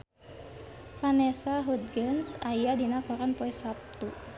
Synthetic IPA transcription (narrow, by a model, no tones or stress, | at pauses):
fanɛsaɦud̪̚ɡənsajadinakɔɾanpɔisap̚t̪u